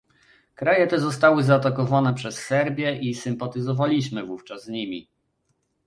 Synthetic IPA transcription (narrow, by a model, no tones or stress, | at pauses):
kɾajɛt̪ɛzɔst̪awɘzaːt̪akɔvanɛpʂɛsːɛɾbʲjɛʔisɘmpat̪ɘzɔvalʲiɕmɘvuft͡ʂazɲimʲi